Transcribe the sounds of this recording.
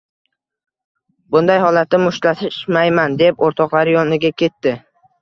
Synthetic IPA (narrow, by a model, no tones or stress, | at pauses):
bʊnd̪ajhɒlat̪nɪmʊʃlat̪ʰɪʃmajmand̪e̞poɾt̪ʰɒqlˠaɾɪjɒnɪɡʲakʲʰe̞t̪ːɪ